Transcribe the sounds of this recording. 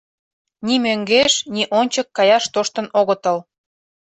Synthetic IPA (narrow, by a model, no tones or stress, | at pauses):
nimøŋɡeʃniʔonʲt͡ɕəkːɑjɑʃt̪oʃt̪ə̆noɣə̆t̪ə̆l